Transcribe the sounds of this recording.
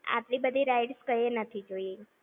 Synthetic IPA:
a̰ʈlibəd̪ʱiɾajɖskəjenət̪ʰid͡ʒoje

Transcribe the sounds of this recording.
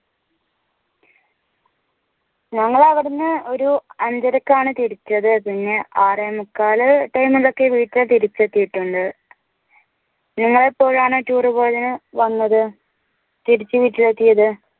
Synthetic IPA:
nɐŋːɐɭɐʋiɽɐnːɨo̞ɾuɐɲd͡ʑɐɾɐkːaːɳɨt̪iɾit͡ɕːɐðɨpiɲːeʔaːremukːaːlɨʈɐjmilːo̞kːe̞ʋiːʈːilt̪iɾit͡ɕːet̪ːijiʈːuɳɖɨ | niŋːɐɭepːo̞ːɻaːɳɨʈuːrɨboːjðinɨʋɐnːɐðɨ | t̪iɾit͡ɕːɨʋiːʈːilet̪ːijɐðɨ

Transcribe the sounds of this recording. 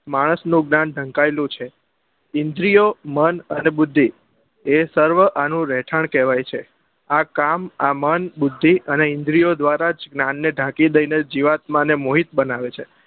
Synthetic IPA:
maɽ̃əsnũɡnanɖʱə̃ŋkaelũt͡ʃʰe | ɪnd̪ɾijomənənebʊd̪ʱːi | esəɾʋəʔanũɾɛʈʰəɳkɛʋajt͡ʃʰe | akamamənbʊd̪ʱːiəneɪ̃nd̪ɾijod̪ʋaɾad͡ʒɡnanːeɖʱãkid̪əjned͡ʒiʋat̪mãnemoɦit̪̚bənaʋet͡ʃʰe

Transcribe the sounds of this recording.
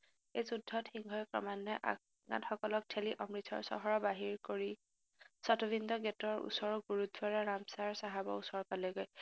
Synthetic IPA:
ejzudʱːɔtʰhiŋɡʱɔjkɹɔ̰manːɔʔa̰ | ɡa̰txɔkɔlɔk̚tʰeliʔɔmɹitʰɔ̰ɹsɔ̰ɦɔɹɔbaɦiɹkoɹi | sɔtobindɔɡɛtɔɹṵsɔɹɔɡuɹut̚ːwaɹaɹamsaɹsaɦabɔ̰usɔɹpalɔɡoj

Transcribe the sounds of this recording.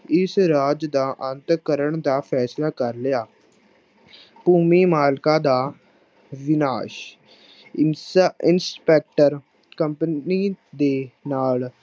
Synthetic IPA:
ɪsɾaːd͡ʒd̪aːʔənt̪kəɾəɳd̪aːpʰɛːslaːkəɾlɪjaː | puːmiːmaːlkaːd̪aː | ʋɪnaːʃ | ɪnspɛːk̚ʈəɾ | kəmpniːd̪eːnaːl

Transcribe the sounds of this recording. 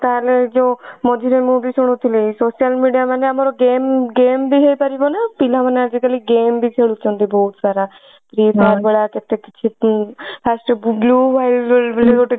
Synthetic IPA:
t̪aːled͡ʒoːmod͡ʒiːɾemũːbiːsʊɽ̃ʊt̪ʰileiːsoːʃijəlmiːɖijaːməneəmaːɾoɡeːmɡeːmbiːɦep̪aɾibonɛpilãːmənəd͡ʒiːkəliːɡeːmbʱiːt͡ʃʰeɽut͡ʃõːnd̪iːbɔːt̪saːɾaː | p̪ɾiːpaːɾbəɽaːkɪt̪eːkɪt͡ʃʰeːpʰɛːsʈəbluːbaːɪllleoʈ

